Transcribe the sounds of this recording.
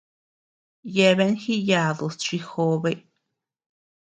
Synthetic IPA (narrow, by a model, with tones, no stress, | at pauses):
je˧be˧˦nxi˦ja˧˨d̪o˨st͡ʃi˧xo˧˦be˧˨